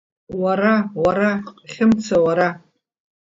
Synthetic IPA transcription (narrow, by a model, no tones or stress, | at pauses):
waɾawaɾaqʼχʲɪmt͡sʰawaɾa